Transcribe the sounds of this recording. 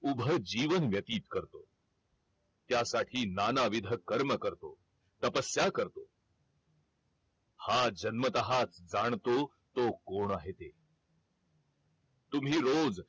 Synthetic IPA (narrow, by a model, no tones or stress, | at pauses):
ubʱəd͡ʑiːʋənʋjət̪iːt̪kəɾt̪o | t̪jasaʈʰiːnanaʋid̪ʱəkəɾməkəɾt̪o | t̪əpəsjakəɾt̪o | had͡ʑənmət̪əɦat͡sd͡zaɳ̃t̪o | t̪okoɳ̃aɦet̪e | t̪umɦiːɾod͡z